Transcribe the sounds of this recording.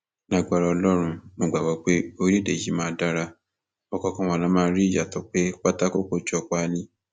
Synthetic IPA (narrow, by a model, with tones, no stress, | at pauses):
nã˨ɡ͡ba˨ɾa˧ɔ˧lɔ˦ɾ̃ũ˧mo˧ɡ͡ba˨wɔ˨˦k͡pe˦o˦˧ɾi˦˨de˨ji˨˦mãː˨˦˧da˦ɾa˧ | ɔ˨kɔ˨˧kã˦wã˧˨lã˨˦mãː˦˧˦ɾi˦˨d͡ʒa˨tɔ˨˦k͡pe˦k͡pa˦ta˦ko˦ko˦d͡ʒɔ˦˧˨k͡pa˦˧nĩ˧